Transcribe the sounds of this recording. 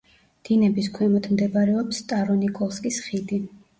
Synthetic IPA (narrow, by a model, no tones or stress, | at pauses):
d̪̥inɛbiskʰwɛmɔt̪ʰmd̪ɛbaɾɛɔpst̪ʼaɾɔnikʼɔlˠskʼisχid̪i